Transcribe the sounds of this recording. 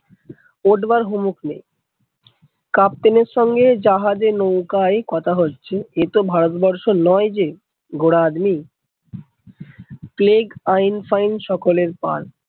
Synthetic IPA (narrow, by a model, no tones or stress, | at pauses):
oɖbaɾɦumuknḛ̃j | kap̚t̪eneɾʃɔŋɡed͡ʑaɦad͡ʑenowkaekɔt̪ʰaɦotːɕʰeet̪obʱaɾot̪bɔɾʃonɔjd͡ʑe | ɡoɽad̪mi | pleɡajnfajnʃɔkoleɾpa̰l